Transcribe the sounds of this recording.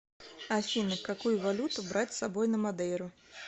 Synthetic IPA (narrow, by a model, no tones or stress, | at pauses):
asʲinɨkːakujuvalʲut̪ubɾat͡sʲsabɔjnɐmad̪ɛjɾʊ